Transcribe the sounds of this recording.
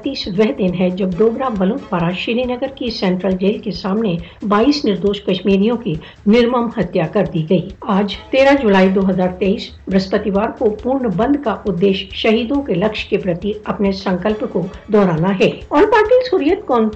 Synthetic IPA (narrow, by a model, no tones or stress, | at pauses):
t̪iːsʋɛɦd̪ɪnɦɛd͡ʒɐbd̪oːɡnabɐlʊ̃nt̪ʰʋaːɾaʃɪɾinəɡəɾkisɛ̃ːɳʈɾəld͡ʒeːlkesaːmnebaːiːsnɪɾd̪oːʃkɐʃmiːɾijõki | nɪɾməmhɐt̪jakɐɾd̪iɡɐiːaːd͡ʒt̪eːɾãd͡ʒulaːid̪oːɦɐzaːɾt̪eːiːs | bɾɐspət̪ɪʋaːɾkopuːɾɳəbɐ̃nd̪ʱkaʔʊd̪ːeːʃʃɐɦiːd̪õkelɐkʃkepɾɐt̪iɐpnesɐ̃ŋkəlpkod̪ɔːɾaːnaɦɛːɔːɾpaːɾʈiːlsʊːɾijət̪kɔːn